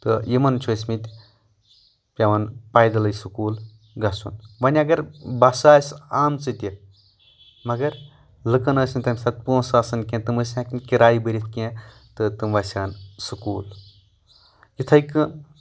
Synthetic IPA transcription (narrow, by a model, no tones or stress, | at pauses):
t̪ɨjimɐnt͡ʃʰosmit̪ʲ | pʲɐʋɐnpaːjd̪ɐlɐjsɨkuːl | ɡɐsunʋɐnʲɐɡɐɾbɐsaːsaːmt͡sɨt̪ʲi | mɐɡɐɾ | lɨkɐnɐːsʲinʲt̪ɐmʲsɐt̪̚puːsaːsɐnkẽt̪ɨməːsʲãːkɨnkʲiɾaːjibɨɾʲit̪ʰkʲẽ | t̪ɨt̪ɨmʋɐsʲaːnsɨkuːl | jit̪ʰɐjkɨ